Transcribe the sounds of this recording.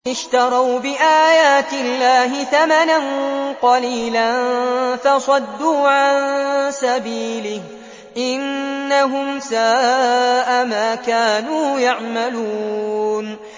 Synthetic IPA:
ʔɪʃt̪ɑɾˤɑwbɪʔaːjaːt̪ɪlːaːɦɪθamananqɑliːlanfɑsˤɑd̪ːuːʕasabiːlɪh | ʔɪnːaɦʊmsaːʔamaːkaːnuːjaʕmaluːn

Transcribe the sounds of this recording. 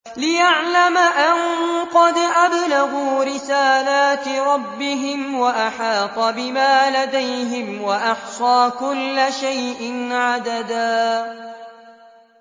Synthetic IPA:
lɪjaʕlamaʔanqɑd̪ʔablaɣuːɾɪsaːlaːt̪ɾˤɑbːɪɦɪmwaʔaħɑːqɑbɪmaːlad̪ajɦɪmwaʔɑħsˤɑːkʊlːaʃajʔɪnʕad̪ad̪aː

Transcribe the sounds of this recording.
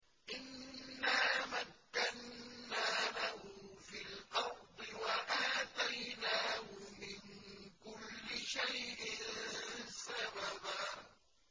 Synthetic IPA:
ʔɪnːaːmakːannaːlahʊfilʔɑwbɪwaʔaːt̪ajnaːhʊmɪnkʊlːɪʃajʔɪnsababaː

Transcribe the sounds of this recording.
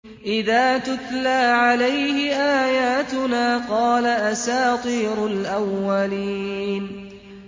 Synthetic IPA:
ʔɪðaːt̪ʊt̪laːʕalajhɪʔaːjaːt̪ʊnaːqɑːlaʔasaːt̪ˤiːɾʊlʔawːaliːn

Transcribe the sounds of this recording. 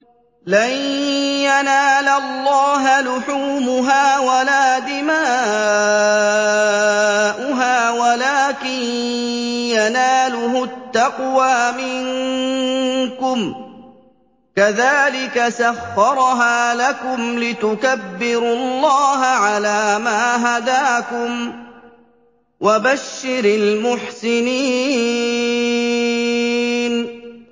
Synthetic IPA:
lanjanaːlalːɑːɦalʊħuːmʊɦaːwalaːd̪ɪmaː | ʔʊɦaːwalaːkɪn | janaːlʊɦʊt̪ːaqwaːmɪŋ | kʊm | kaðaːlɪkasaxːɑɾˤɦaːlakʊmlɪt̪ʊkabːɪɾʊlːɑːɦaʕalaːmaːɦad̪aːkʊm | wʔabaʃːɪɾɪlmʊħsɪniː | n

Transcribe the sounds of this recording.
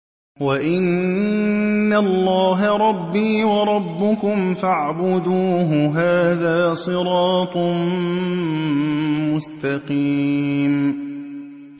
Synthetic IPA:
waʔɪn | alːɑːɦaɾˤɑbːiːwɑɾˤɑbːʊkʊmfaʕbʊd̪uːɦʊɦaːðaːsˤɨɾˤɑːt̪ˤ | mʊst̪ɑqiːm

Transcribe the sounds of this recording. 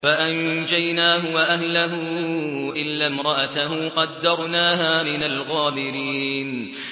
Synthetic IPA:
faʔand͡ʒajnaːɦʊwaʔahlaɦʊʔɪlːamɾˤɑʔat̪aɦʊqɑd̪ːɑɾˤnaːɦaːmɪnalɣaːbɪɾiːn

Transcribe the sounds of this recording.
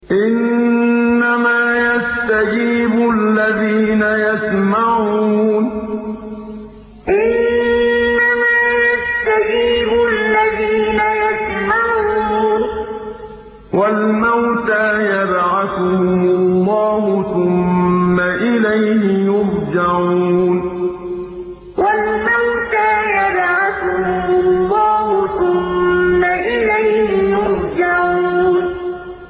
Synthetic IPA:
ʔɪnː | amaːjast̪ad͡ʒiːbʊalːaðiːnajasmaʕuuːn | ʔɪnː | amaːjast̪ad͡ʒiːblːaðiːnajasmaʕuːn | wʔalmawt̪aːjadʕaθʊhmʊlːɑːɦʊθʊmːaʔɪlajhɪjʊɾd͡ʒaʕuuːn | walmawt̪aːjadʕatʊʊmʊlˤːɑːɦʊθʊmːaʔɪlajhɪjʊɾd͡ʒaʕuːn

